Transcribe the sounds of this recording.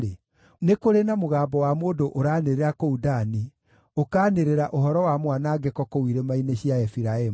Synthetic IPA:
e | nekoɾenamoɣaːmbɔwamoːdoʔoɾaːneɾeɾakoudani | okaːneɾeɾaʔoɦɔɾɔwamwanaːɡekɔkowiɾemaineɕiaɛfiɾaem

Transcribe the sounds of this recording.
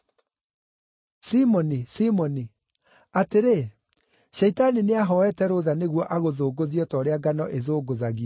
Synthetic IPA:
simɔnisimɔni | ateɾe | ɕɛitanineaɦɔɛtɛɾoðaneɣwɔʔaɣoðoːɡoðiɔtɔːɾeaɡanɔʔeðoːɡoðaɣiɔ

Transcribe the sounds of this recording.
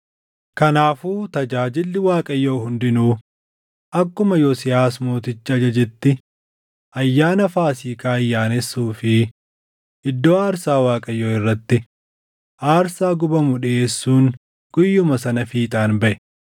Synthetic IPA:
kɐnaːfuːt̪ɐd͡ʒaːd͡ʒɪlːɪwaːkʼɐjːoːhʊnd̪ɪnuː | ʔɐkːʊmɐjosɪjaːsmoːt̪ɪt͡ʃːɪɐd͡ʒɐd͡ʒɛt̪ːɪ | ʔɐjːaːnɐfaːsiːkaːɐjːaːnɛsːuːfɪ | ʔɪd̪ːo̞ːaːɾsaːwaːkʼɐjːoːɪrːɐt̪ːɪ | ʔaːɾsaːɡʊbɐmʊᶑɪʔeːsːuːn | ɡ̥ʊjːʊmɐsɐnɐfiːt̪ʼaːnbɐʔɛ̥

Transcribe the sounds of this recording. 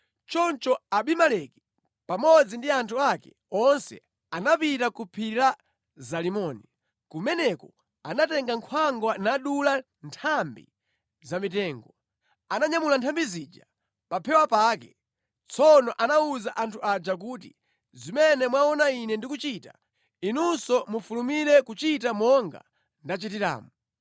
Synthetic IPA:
t͡ʃɔnt͡ʃɔaɓimalɛki̥ | pamɔd͡zindiantʰuakɛ̰ | ɔnsɛ̰ | anapitakupʰiɾa | zalimɔni | kumɛnɛkɔ | anatɛŋɡaŋkʰwaŋɡwanaɗula | ntʰambḭ | zamitɛːŋɡɔ | anaɲamulantʰambizid͡ʒa | papʰɛwapaːkɛ | t͡sʰɔnɔʔanauzaʔantʰuʔad͡ʒak̬uːtḭ | zimɛnɛmwaɔnainɛndikut͡ʃita | inunsɔmufulumiɾɛkut͡ʃitamɔŋɡa̰ | ndat͡ʃitiɾa̰ːmu

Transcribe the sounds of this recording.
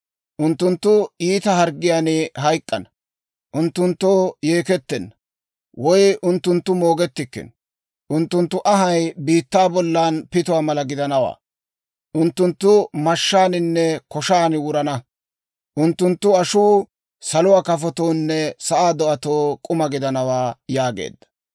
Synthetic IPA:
ʔʊnt̪ːʊnt̪ːʊiːt̪ɐɦɐɾɡɪjaːnɪɦɐjkʼːɐnɐ | ʔʊnt̪ːʊnt̪ːoːjeːkɛt̪ːɛnːɐ | wɔjʊnt̪ːʊnt̪ːʊmoːɡɛt̪ːɪkːɪ̰n | ʔʊnt̪ːʊnt̪ːʊʔɐɦɐjbiːt̪ːaːbɔlːaːnpɪt̪ʊwaːmɐlɐɡɪd̪ɐnɐwa̰ː | ʔʊnt̪ːʊnt̪ːʊmɐʃːaːnɪnːɛkɔʃaːnwʊɾɐnɐ | ʔʊnt̪ːʊnt̪ːʊɐʃuː | sɐlʊwaːkɐfɔt̪oːnːɛsɐʔaːd̪ɔʔɐt̪oːkʼʊmɐɡɪd̪ɐnɐwaːjaːɡḛːd̪ːɐ̥

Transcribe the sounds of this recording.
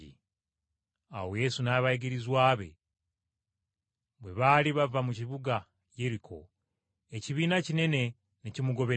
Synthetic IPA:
ḭ | a̰woje̞sunaβaiɡiɾizwaːβe̞̰ | βwe̞βaliβavamuciβuɡa | je̞ɾikʰo̞̰ | eciβiːnacine̞ne̞ | necimuɡo̞βe̞

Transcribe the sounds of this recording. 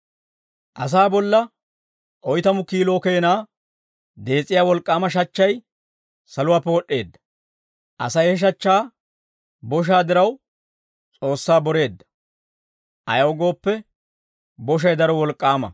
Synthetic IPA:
ʔɐs̬aːbɔlːɐ | ʔɔjt̪ɐmʊkiːlo̞ːke̞ːnaː | d̪e̞ːt͡sʼːɪjaːwɔlkʼːaːmɐʃɐt͡ʃːɐj | sɐlʊwaːpːɛɔɗːe̞ːd̪ːɐ̥ | ʔɐ̰sɐjhɛʃ̬ɐt͡ʃːaː | bɔʃ̬aːd̪ɪɾɐw | t͡sʼo̞ːsːaːbɔɾe̞ːd̪ːɐ̥ | ʔɐ̰jɐwɡo̞ːpːɛ | bɔʃ̬ɐjd̪ɐɾɔwɔlkʼːaːmɐ̰

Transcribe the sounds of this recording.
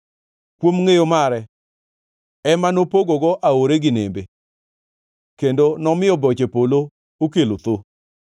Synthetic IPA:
kwomŋejomaɾɛ | ɛmanopoɡoɡɔʔaoɾeɡɪnembe | kendonɔmɪɔbɔt͡ʃepolo | okelot̪o

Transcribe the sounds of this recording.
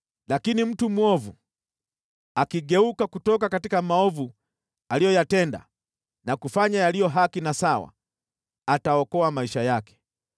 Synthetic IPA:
lakinim̩tumwɔvṵ | akiɠɛukakutɔk̬akatikamaɔvu | alijɔjatɛnda̰ | nakufaɲajalijɔɦakinasawa̰ | ataɔkɔamaiʃajakɛ̥

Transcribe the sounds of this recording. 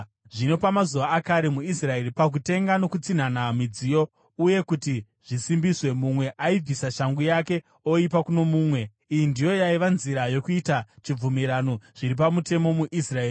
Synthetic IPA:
ʐino̞pamazuʋaːkaɾe̞muisrae̞ɾipak̬ute̞ŋɡano̞kut͡sin̤anamid͡zijo̞ | uje̞kuti | ʐ̥isimbiswe̞mumwe̞ʔaib͡visaʃaŋɡujake̞ | o̞ipakuno̞muːmwe̞ | ijindijo̞jaiʋanziɾajo̞kuitat͡ʃib͡vumiɾano̞ʐ̥iɾipamute̞mo̞muʔisraeːri

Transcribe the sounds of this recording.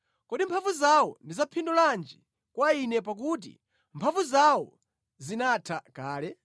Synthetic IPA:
kɔɗimpʰavuzawɔndizapʰindɔland͡ʒi | kwainɛpak̬ut̬ḭ | mpʰavuzawɔ̰ | zinatʰakaːlɛ

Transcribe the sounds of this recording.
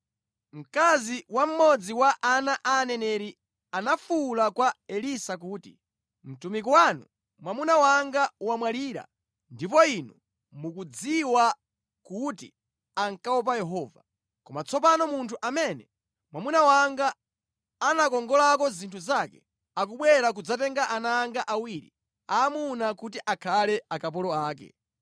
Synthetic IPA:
m̩kaziwam̩mɔd͡ziwaʔanaʔaːnɛnɛɾi | anafulakwaɛlisak̬uːtḭ | m̩tumik̬wanṵ | mwamunawaŋɡauwamwaliːɾa̰ | ndip̬ɔinu | mukud͡ziwa | kutḭ | aŋkawɔp̬ajɛɦɔːva | kɔmat͡sʰɔp̬anɔmuntʰuʔamɛnɛ | mwamunawaŋɡaː | nakɔŋɡɔlakɔzintʰuzakɛ | ak̬uɓwɛɾak̬ud͡zatɛŋɡaʔanaːŋɡaʔawiɾḭ | aːmunakutiʔakʰalɛakapɔlɔaːk̬ɛ̰

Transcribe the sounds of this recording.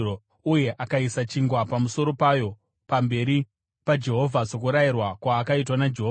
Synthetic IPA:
o | uje̞ʔakaisat͡ʃiŋɡwapamuso̞ɾo̞pajo̞ | pambe̞ɾi | pad͡ʒe̞ɦo̞vʱasokuɾajirwakwaːkait̬wanad͡ʒe̞ɦo

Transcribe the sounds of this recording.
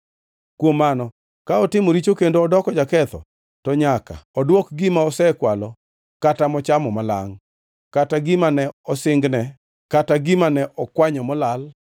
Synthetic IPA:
kwomːanɔ | kaɔtɪmoɾit͡ʃokendoɔdɔkɔd͡ʒakɛt̪ɔ̰ | tɔɲaka̰ɔdwɔkɡɪmaɔsɛkwalɔ | katamɔt͡ʃamɔmala̰ŋ | kataɡɪmanɛɔsɪŋɡnɛ | kataɡɪmanɛʔɔkwaɲɔmɔlal

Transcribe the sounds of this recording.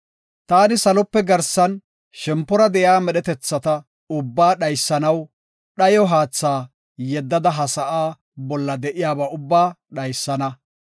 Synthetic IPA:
t̪aːnɪsɐlɔpːɛɡɐɾsɐn | ʃɛmpːɔɾɐd̪ɛjaːmɛɗɛt̪ɛt͡sːɐt̪ɐ | ʊbːaːɗɐjsːɐnɐw | ɗɐjɔɦaːt͡sːaː | jɛd̪ːɐd̪ɐɦɐsɐʔaː | bɔlːɐd̪ɛʔɪjaːbaːʊbːaːɗɐjsːɐnɐ

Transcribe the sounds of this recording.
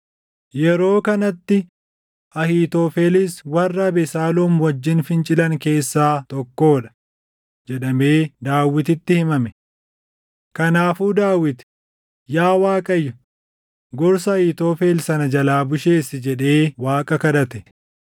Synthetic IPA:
jɛɾo̞ːkɐnɐt̪ːɪ | ʔɐhiːt̪oːfeːlɪswɐrːɐːbɛsaːluːmwɐd͡ʒːɪnfɪnt͡ʃʼɪlɐŋke̞ːsːaːt̪ɔkːo̞ːᶑɐ̥ | d͡ʒɛᶑɐme̞ːd̪aːwɪt̪ɪt̪ːɪhɪmɐmɛ | kɐnaːfuːd̪aːwɪt̪ | jaːwaːkʼɐjːɐ | ɡɔɾsɐːhiːt̪oːfe̞ːlsɐnɐd͡ʒɐlaːbʊʃe̞ːsɪd͡ʒɛᶑe̞ːwaːkʼɐkɐd̪ɐt̪ɛ̥

